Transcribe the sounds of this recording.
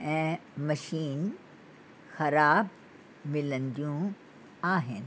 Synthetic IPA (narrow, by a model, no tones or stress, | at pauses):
ɛ̃mɐʃiːn | xɐɾaːb̚ | mɪlə̃nd̪jũ | aːɦẽn